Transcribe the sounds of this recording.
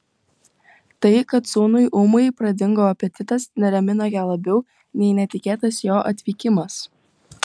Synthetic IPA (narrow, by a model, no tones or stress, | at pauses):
t̪ɐɪkɐt̪soːnʊɪʔʊmʊɪpɾɐd̪ʲɪŋɡoːɐpʲɛt̪ʲɪt̪ɐsnʲɛɾʲɛmʲɪnojæːlˠɐbʲɛʊ | nʲɛɪnʲɛt̪ʲɪkʲeːt̪ɐsjoːʔɐt̪ʲʋʲiːkʲɪmɐs